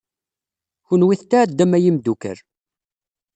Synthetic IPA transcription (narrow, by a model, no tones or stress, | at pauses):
çunwiθt̪ːæːd̪ːæmæjimd̪ukə̰ɾ